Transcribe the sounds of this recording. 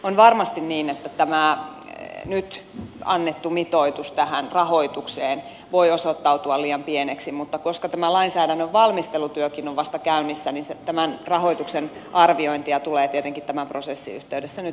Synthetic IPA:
onʋɑrmɑst̪inniːnet̪ːæt̪æmæ | nyt̪ɑ̰nːet̪ːumit̪oit̪ust̪æhænrɑhoit̪ukseːn | ʋoiosot̪ːɑut̪uɑliːɑmpieneksimut̪ːɑkoskɑt̪æmælɑinsæːdænːøʋʋɑlmist̪elut̪yøkinoʋʋɑst̪ɑkæynisːæninset̪æmænrɑhoit̪uksenʔɑrʋioint̪iɑt̪uleːt̪iet̪eŋkit̪t̪æmæmprosesːḭyht̪eydesːæny

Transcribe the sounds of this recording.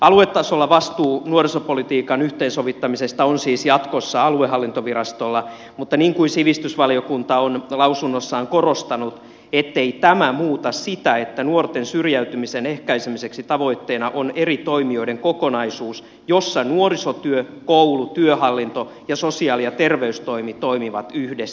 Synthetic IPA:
ɑluet̪ːɑsolːɑʋɑst̪uːnuorisopolit̪iːkɑnyht̪eːnsoʋit̪ːɑmisest̪ɑonsiːsjɑt̪kosːɑɑlueɦɑlːint̪oʋiɾɑst̪olːɑ | mut̪ːɑniːŋkuinsiʋist̪ysʋɑliokunt̪ɑonlɑusunːosːɑːŋkorost̪ɑnut̪ | et̪ːeit̪æmæmuːt̪ɑssit̪æet̪ːænuort̪ensyrjæyt̪ymisenehkæisemiseksit̪ɑʋo̞it̪ːeːnɑʔonerit̪oimioideŋkokonɑisuːs | josːɑnuorisot̪yøkowlut̪yøhɑlːint̪o | jɑsosiɑːlijɑt̪erʋeyst̪oimit̪oimiʋɑt̪yhdes

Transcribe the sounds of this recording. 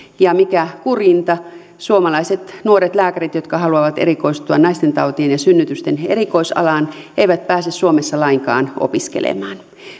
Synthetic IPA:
jɑmikækurint̪ɑ | suomɑlɑiset̪nuoɾet̪læːkærit̪jot̪kɑɦɑluɑʋɑt̪eɾikoist̪uɑnɑist̪ent̪ɑut̪ienjɑsynːyt̪yst̪enerikoisɑ̰lɑːn | eiʋæt̪̚pæːsessuomesːɑlɑiŋkɑ̰ːno̰piskḛlḛmɑːn

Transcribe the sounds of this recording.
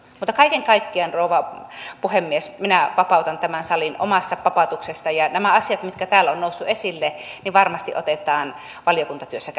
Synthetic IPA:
muːt̪ːɑkɑikeŋkɑikːiɑnroˑuʋɑ | puhemːiesminæʋɑpɑˑut̪ɑnt̪æmænsɑlinʔo̰mɑst̪ɑpɑpɑt̪uksest̪ɑjɑnæmæɑsiɑt̪mit̪̚kæt̪æːlonnoˑusːuesilːe | niʋɑrmɑst̪ḭʔo̰t̪et̪ˑɑːn | ʋɑljokunt̪ɑt̪yøsːæ

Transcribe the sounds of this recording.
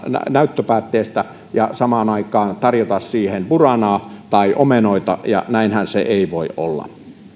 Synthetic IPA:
næ̰næˑyt̪ːøpæːt̪ːeːst̪æ | jɑsɑmɑːnɑikˑɑːnt̪ɑrjot̪ɑssiːhenpurɑnɑːt̪ɑiʔomenoit̪ɑ̰jɑ̰næˑinhænseʔeˑiʋoˑiʔʔo̰lːɑ̰

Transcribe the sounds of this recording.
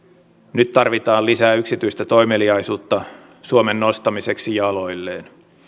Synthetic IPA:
nyt̪t̪ɑrʋit̪ɑːlisæːyksit̪yist̪æt̪o̞jmeliɑjsuːt̪ːɑ | suomenːo̞st̪ɑmise̞ksijɑlo̞jlːeːn

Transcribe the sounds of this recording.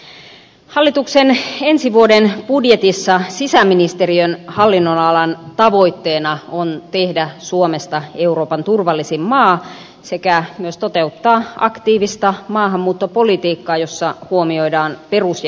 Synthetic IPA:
hɑlːit̪uksenensiʋuodenb̥udjet̪isːɑsisæmːinist̪eriønhɑlːinːonɑlɑnt̪ɑʋo̞it̪ːeːnɑont̪ehdæsuomest̪ɑe̞uro̞ːpɑnt̪urʋɑlːisimmɑː | sekæmyøst̪ot̪e̞ut̪ːɑːʔɑ̰kt̪iːʋist̪ɑmɑːɦɑmːuːt̪ːopolit̪iːkːɑːjosːɑhuomio̞jdɑːnperusj

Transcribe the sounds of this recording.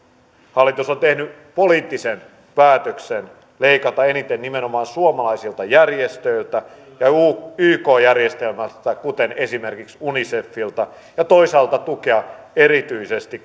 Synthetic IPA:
hɑlːˑit̪usont̪ehny | poliːt̪ːisen | pæːt̪øksen | leikɑt̪ɑenit̪ennimenomɑːnsuomɑlɑisilt̪ɑjærjest̪øilt̪æ | jɑuːyːkoːjærjest̪elmæst̪ækut̪enesimerkiksunisefːilt̪ɑ | jɑt̪oisɑːlt̪ɑt̪ukeɑ | erit̪yisest̪i

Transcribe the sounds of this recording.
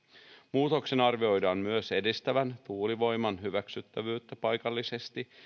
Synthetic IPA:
muːt̪o̞kse̞nɑrʋio̞jdɑːmmyøse̞dist̪æʋænt̪uːliʋo̞jmɑnɦyʋæksyt̪ːæʋyːt̪ːæpɑjkɑlːise̞st̪i

